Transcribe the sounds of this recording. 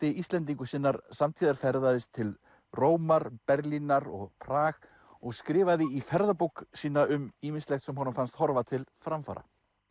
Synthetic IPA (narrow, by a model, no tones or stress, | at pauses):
t̪ɪist̪lɛnt̪̬iŋkʏsɪːnaɾsamt̪ʰiːðaɾ̥fɛɾðaðɪst̪ʰɪl | roːwmaɾpɛɾlinaɾɔ̰ɣpʰɾaːɣ | ɔɣskɾɪːvaðɪifɛɾðapuksiːnaʏmiːminslext̪sɛmɦɔnʏmfanst̪hɔɾvat̪ʰɪlfɾamfa̰ːɾa̰